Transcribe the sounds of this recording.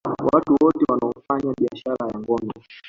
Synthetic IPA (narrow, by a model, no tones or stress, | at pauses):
watuwɔtɛwanaɔm̩faɲaɓiaʃaɾajaŋɡɔmbɛ